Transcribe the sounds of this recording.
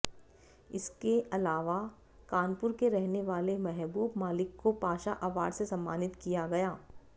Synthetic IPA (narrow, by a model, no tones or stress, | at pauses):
ɪskeɐlaːʋa | kaːnpʊɾkeɾɛɦneʋaːlemɛɦbuːbmaːlɪkːopaːʃaʔaːʋa̰ːɽsesɐ̃mːaːnɪt̪kijaɡɐjaː